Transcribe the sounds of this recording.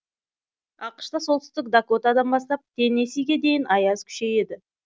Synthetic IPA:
ɑqə̥ʃt̪ɑsolˠt̪ʏ̥st̪ɪk̚d̪akot̪ad̪ɑnbɑst̪ɑp̚t̪ʰe̞nesiɡʲe̞d̪e̞jɪnɑjɑz̥kʲʰʏ̥ʃe̞je̞d̪ɪ

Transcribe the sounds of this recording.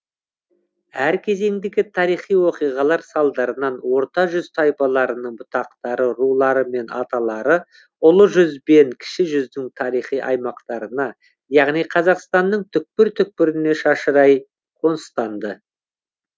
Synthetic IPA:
æɾkʲʰe̞ze̞ŋd̪eɡʲɪt̪ʰɑɾijχijwo̞qijʁɑlˠɑɾsɑlˠd̪ɑɾənɑnwo̞ɾt̪ɑʒʏzt̪ʰɑjpɑlˠɑɾənəɴbʊt̪ɑq̚t̪ɑɾəɾulˠɑɾəme̞nʔɑt̪ɑlˠɑɾə | ʊlˠəʒʏzbe̞ŋkʲʰɪ̥ʃɪʒʏzd̪ɪŋt̪ʰɑɾijχijʔɑ̰jmɑqt̪ɑɾənɑ | jɑʁnijqʰɑzɑqst̪ɑnːəɴt̪ʰʏk̚pɪɾt̪ʰʏk̚pɪɾɪne̞ʃɑʃəɾɑj | qʰo̞nst̪ɑnd̪ə

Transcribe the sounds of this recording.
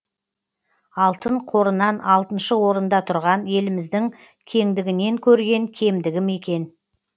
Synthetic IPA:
ɑlˠt̪əɴqʰo̞ɾənɑnɑlˠt̪ənʃəwo̞ɾənd̪ɑt̪ʰʊɾʁɑnje̞lɪmɪzd̪ɪŋ | kʲʰe̞ŋd̪ɪɡʲɪne̞ŋkʲʰɵɾɡʲe̞ŋkʲʰe̞md̪ɪɡʲɪme̞kʲe̞n

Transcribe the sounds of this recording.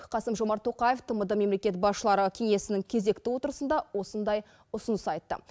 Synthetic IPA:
qʰɑsəmʒo̞mɑɾt̪ʰːo̞qɑjeft̪ʰəməd̪əme̞mlekʲe̞t̪bɑsʃəlˠɑɾəkʲʰe̞ŋe̞sɪnɪŋkʲʰe̞ze̞kt̪ɪwo̞t̪əɾəsənd̪ɑwo̞sənd̪ɑj | ʊsənəsɑjt̪ːə̰

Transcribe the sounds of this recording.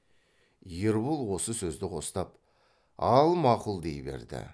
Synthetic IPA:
jəɾbulˠwo̞səsɵzd̪ɪqʰo̞st̪ɑp | ɑlˠmɑqulˠd̪ḛjbḛɾd̪ɪ̰

